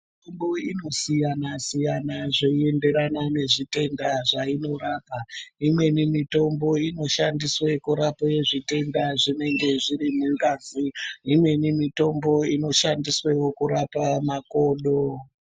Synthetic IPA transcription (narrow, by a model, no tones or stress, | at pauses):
mitombo̞ino̞sijanasijanaʐeie̞nde̞ɾanane̞ʐite̞ndaʐaino̞raːpaimwe̞nimito̞mbo̞ino̞ʃandiswe̞kuɾapaje̞ʐite̞ndaʐine̞ŋɡe̞ʐiɾimuŋɡaːziimwe̞nimito̞mbo̞ino̞ʃandiswe̞wo̞kuɾapamako̞ːnɗo